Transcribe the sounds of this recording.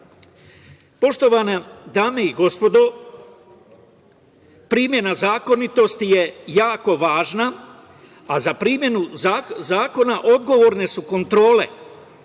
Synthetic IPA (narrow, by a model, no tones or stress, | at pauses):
po̞ʃt̪o̞ʋanad̪aːme̞iɡo̞spo̞d̪o̞ | pɾiːmje̞nazaːko̞nit̪o̞st̪ije̞jaːko̞ʋaːʒna | azapɾiːmje̞nuazaːko̞naʔo̞d̪̚ɡo̞ʋo̞ːɾne̞suko̞nt̪ɾo̞ːle̞̰